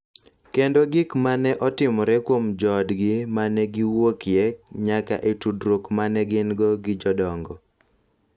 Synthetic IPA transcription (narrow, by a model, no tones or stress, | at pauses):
kendoɡɪkmanɛʔɔtɪmɔɾɛkwomd͡ʒɔdɡɪmanɛɡiwokjɛkɲaka̰ʔetudɾokmanɛɡɪnɡɔɡɪd͡ʒɔdɔŋɡɔ